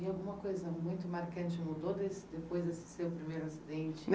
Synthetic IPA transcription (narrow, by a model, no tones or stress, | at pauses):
iawɡũmɐkojzɐmũj̃t̪ʊmaɾkɐ̃nt͡ʃɪmud̪od̪esɪd̪epojzd̪esɪ̥sewpɾimejɾʊɐsid̪ẽnt͡ʃɪ̥m